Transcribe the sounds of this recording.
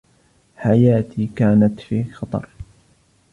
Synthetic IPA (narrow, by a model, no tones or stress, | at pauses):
ħajaːt̪ʰiːkaːnat̪fiːxɑt̪ˤɑ̰ɾˤ